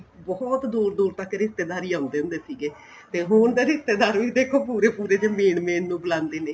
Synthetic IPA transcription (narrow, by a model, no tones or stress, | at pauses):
bɔt̪d̪uːɾd̪uːɾt̪əkɾɪst̪eːd̪aːɾiːãːnd̪eːʊ̃nd̪eːsiːɡeː | t̪eːɦʊɳd̪eːɾɪst̪eːd̪aːɾʋiːd̪eːkʰoːpuːɾeːpuːɾeːd͡ʒeːmeːɳmẽːnːũːbəlãːnd̪eːneː